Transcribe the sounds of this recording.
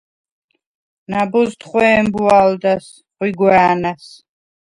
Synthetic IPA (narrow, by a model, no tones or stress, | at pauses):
nabɔzt̪ʰχwɛːmbuald̪as | χwiɡwɛanas